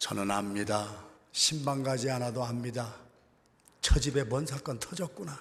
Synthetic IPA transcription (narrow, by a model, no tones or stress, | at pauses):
t͡ɕʌ̰nɯnamɲidaɕʰimbaŋɡad͡ʑianadoamɲida | t͡ɕʰʌd͡ʑibe̞pwʌnsʰʌɭk͈ʌntʰʌd͡ʑʌk͈̚una